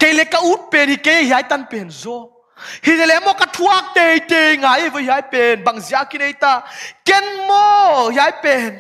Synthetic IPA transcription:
ke˧jlɛ˧˦ka˧ʔu˦t̚pɛ˨nhi˨ke˧˦ja˦˧ɦi˨a˧˦jt̪a˧˦npɛ˨nzɔ˧˦ | hi˨zɛ˧˨lɛ˧˦mɔ˧˨ka˧t̪ʰu˦a˧˦k̚t̪e˧jt̪e˧jŋa˨˦je˧vɔ˧˦ɦi˨a˧˦jpɛ˨nba˨ŋzi˨a˦ki˦ne˧jt̪a˧kɛ˦nmɔ˦hi˨a˦jpɛ˨n

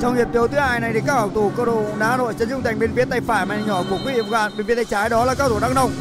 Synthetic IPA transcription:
t͡ɕɔ˧wŋ͡mŋi˨˩t̪i˨˦əwt̪ɨ˨˦haː˧jna˨˩jt̪i˨˩kaː˦˥k̚aː˨˩wt̪u˧˩kə˧ɗo˧˨naː˨˦˨no̰˧˨jt͡ɕə˨˧˦nzʊ˧ŋ͡mt̪a˨˩ŋ̟ɓe˧nfi˨˦ət̪a˧jfaː˧˩jmaː˨˩ɲɔ˧˩ku˧˩əkwvḭ˧˨ə˧˩k̚aː˧˩nɓe˧nfi˨˦t̪ːjt͡ɕaː˨˦jɗɔ˨˦laː˨˩kaː˦˧t̪u˧˩ɗa˦˥k̚nə˧wŋ͡mŋ͡m

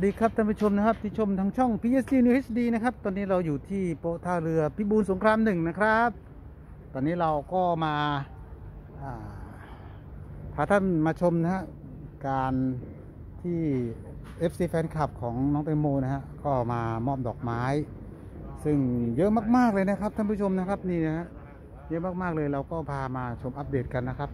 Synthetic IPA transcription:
a˨˩diː˧kʰɾa˦˥p̚t̪ʰa˥˩pa˧˩t͡ɕʰo˧mna˥kʰa˦˥p̚t̪ʰiː˥˩t͡ɕʰo˧mt̪ʰaː˦˥ŋt͡ɕʰɔ˥˩ŋpʰiː˧ʔe˦˥siː˧nuː˧ʔe˦˥sdiː˧na˧˥kʰa˦˥p̚t̪ɔː˧niː˦˥˩ɾa˧wjuː˨˩t̪ʰiː˥˩po˧˥t̪ʰaː˧˥˩wɾɯ˧ɐpʰi˦˧˥buː˧nso˩˦ŋkʰɾaː˧mnɯ˨˩ŋna˦˧˥kʰɾa˦˥p̚ | t̪ɔː˧niː˦˥ɾa˧wkɔː˥˩maː˧ | ʔaː˨˩ | t̪ʰaː˨˩t̪ʰa˥˩nmaː˧t͡ɕʰo˧mna˧˥ha˧˥ʔ | kaː˧n | t̪ʰiː˥˩ | ʔe˦˥p̚siː˧˩fɛː˧˥nkʰa˧˩p̚kʰɔː˩˦ŋnɔː˨˦˥ŋt̪e˧moː˧na˦˥˩ha˧˥ʔkɔː˥˩maː˧mɔː˥˩p̚dɔː˨˩k̚maː˦˥j | sɯ˥˩ŋjɤ˦˥ʔmaː˥˩k̚maː˥˩k̚lɤː˧jna˦˥kʰɾa˦˥p̚t̪ʰa˥˩˨pu˥˩t͡ɕʰo˧mna˦˥kʰa˦˥p̚niː˥˩na˦˥ha˦˥ʔ | jɤ˦˥ʔmaː˥˩k̚maː˥˩k̚lɤː˧jɾa˧wkɔː˥˩pʰaː˧maː˧t͡ɕʰo˧mʔa˦˥p̚deː˨˩t̪̚ka˧nːa˦˥kʰɾa˦˥p̚

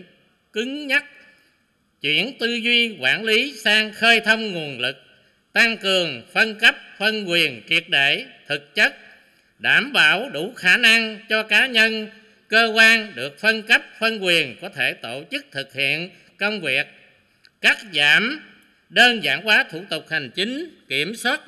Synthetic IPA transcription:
kɨ˨˦ŋɲa˦˥t̚ | t͡ɕwḭ˧˥ənt̪ɨ˧zwi˧kwa̰ː˧˩nli˨˦saː˧ŋxəː˧jt̪ʰə˧wŋ͡mŋu˨˩ənlɨ˨˩k̚ | t̪a˧ŋkɨ˨˩əŋfə˧nkə˦˥p̚fə˧nkwi˨˩ənki˨˩ət̚ɗḛ˧˨t̪ʰɨ˨˩k̚t͡ɕə˦˥k̚ | ɗaː˧˩mɓa̰ː˧˨wɗu˧˩xaː˧˩na˧ŋt͡ɕɔ˧kaː˨˦ɲə˧n | kəː˧kwaː˧nɗɨ˨˩ək̚fə˧nkə˦˥p̚fə˧nkwi˨˩ənkɔ˨˦t̪ʰe˧˩t̪o̰˧˨t͡ɕɨ˦˥k̚t̪ʰɨ˨˩k̚hḭ˧˨ən | kə˧wŋ͡mvi˨˩ək̚ | kaː˦˥k̚zaː˧˨m | ɗəː˧nza̰ː˧˩ŋkwaː˨˦t̪ʰu˧˩t̪ʊ˨˩k͡p̚ha˨˩jŋ̟t͡ɕi˨˦ŋ̟ki˧˩əmswaː˦˥t̚

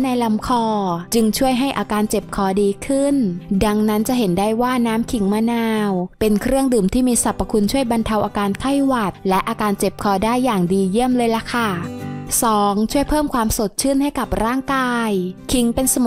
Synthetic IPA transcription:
na˧jla˨˦mkʰɔː˧t͡ɕɯ˧ŋt͡ɕʰu˥˩əjɦa˥˩jʔaː˧kaː˧nt͡ɕe˨˩p̚kʰɔː˨˦diː˧kʰɯ˥˩nda˧ŋna˦˥nt͡ɕa˨˩ɦe˩˦ndaː˥˩jwaː˥˩naː˦˥mkʰi˩˦ŋma˧naː˧wpe˧nkʰɾɯ˥˩əŋdɯː˨˩mt̪ʰiː˥˩miː˧sa˨˩pːa˧kʰu˧nt͡ɕʰu˥˩əjba˧nt̪ʰa˧wʔaː˧kaː˧nkʰa˥˩jwa˨˩t̪̚lɛ˦˥ʔaː˧kaː˧nt͡ɕe˨˩p̚kʰɔː˧˦daː˥˩jːaː˨˩ŋdiː˧ji˥˩əmlɤː˧jla˨˩kʰa˥˩sɔː˩˦ŋt͡ɕʰu˥˩əjpʰɤː˥˩mkʰwaː˧mso˨˩t̪̚t͡ɕʰɯ˥˩˨nha˥˩jka˨˩p̚ɾaː˥˩ŋkaː˧jkʰi˩˦ŋpe˧nsa˧m˩

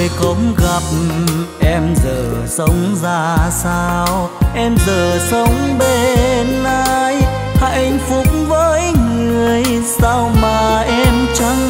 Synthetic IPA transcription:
jxə˨˦wŋ͡mɣa˨˩p̚ʔɛ˧mzəː˨˩sə˨˦wŋ͡mzaː˧saː˧wʔɛ˧mzəː˨˩sə˨˦wŋ͡mɓe˧˩naː˧j | ha̰˧˨˧jŋ̟fʊ˨˩k͡p̚vəː˨˦jŋɨ˨˩əj | saː˧wmaː˨˩ʔɛ˧mt͡ɕa˧˦ŋ

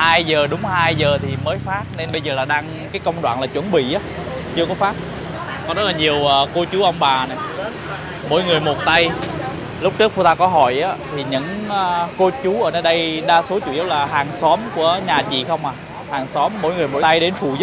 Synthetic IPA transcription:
haː˧jzəː˨˩ɗʊ˨˦ŋ͡mhaː˧jzəː˨˩t̪ʰi˨˩məː˨˦jfaː˦˥t̚ne˧nɓə˧jzəː˨˩laː˨˩ɗaː˧ŋ | kaː˨˦jkə˧wŋ͡mɗwa̰ː˧˨nlaː˨˩t͡ɕwə˧˩˦nɓḭ˧˨ʔaː˨˦ | t͡ɕɨ˧əkɔ˨˦faː˦˥t̚ | kɔ˨˦zə˦˥t̚laː˨˩ɲi˨˩əwʔəː˨˩ko˧t͡ɕu˨˦ʔə˧wŋ͡mɓaː˨˩na˨˩j | mo̰˧˥˦jŋɨ˨˩əjmo˨˩t̚t̪a˧j | lʊ˦˥k͡p̚t͡ɕɨ˦˥k̚fu˧t̪aː˧kɔ˨˦ɦɔ̰˧˩jʔaː˨˦t̪ʰi˨˩ɲɨ̰˧˥ŋː˧ko˧t͡ɕu˨˦ʔəː˧˩nəː˧jɗə˧jɗaː˧so˨˦t͡ɕṵ˧˨zə˦˥t̚laː˨˩ɦaː˨˩ŋsɔ˨˦mku˧˩əɲaː˨˩t͡ɕḭ˧˨xə˧wŋ͡mʔaː˨˩ | haː˨˩ŋsɔ˨˦mːo̰˧˥jŋɨ˨˩əjmo̰˧˩a˧jɗe˨˦nfṵ˧˨ə˦

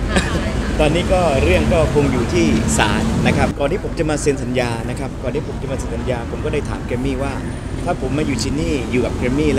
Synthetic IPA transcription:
t̪ɔː˧nːiː˦˥kɔː˥˩ɾɯ˥˩əŋkɔː˥˩kʰo˧ŋjuː˨˩t̪ʰiː˥˩sa̰ː˩˦nːa˦˥kʰɾp̚kɔː˨˩nt̪iː˥˩pʰo˩˦mt͡ɕa˨˩maː˧si˨˧˦nsa˩˦njaː˧na˦˥kʰɾa˦˥p̚kɔː˨˩nt̪ʰiː˥˩pʰo˩˦mt͡ɕa˨˩maː˧se˧nsa˨˩˦njaː˧pʰo˩˦mkɔː˥˩da˥˩t̪ʰaː˩˦mkʰɾeː˧mːiː˥˩waː˥˩ | t̪ʰaː˥˩pʰo˩˦mːaː˧˩juː˨˩t͡ɕʰiː˧nːiː˥˩juː˨˩ka˨˩p̚kʰɾe˧mːiː˥˩l

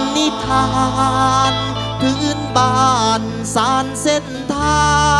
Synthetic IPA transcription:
ni˧˥˩t̪ʰaː˧n | pʰɯː˧˥nbaː˧˩n | saː˨˩˦nse˧˩nt̪ʰaː˧˥

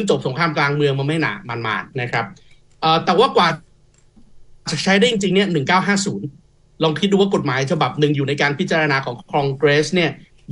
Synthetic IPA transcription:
ŋt͡ɕo˨˩p̚so˩˦ŋkʰɾaː˧mklaː˧ŋmɯ˧əŋma˧nma˥˩jna̰ː˨˩ma˧nma̰ː˨˩t̪̚na˦˥kʰɾa˦˥p̚ | ʔəː˨˩t̪ɛː˨˩waː˥˩kwaː˨˩ | a˨˩t͡ɕaː˨˩k̚t͡ɕʰa˦˥jdaː˥˩ji˧ŋt͡ɕi˧ŋni˥˩ɐnɯ˨˩ŋkaː˥˩wɦaː˥˩suː˩˦n | lɔː˧ŋkʰi˦˥t̪̚duː˧waː˥˩ko˨˩t̪̚maː˩˦jt͡ɕʰa˧ba˨˩p̚nɯ˨˩ŋjuː˨˩na˧jkaː˧npʰi˦˥t̪t͡ɕa˧ɾa˧naː˧kʰɔː˩˦ŋkʰɔː˧ŋkɾe˦˥sni˥˩ɐ

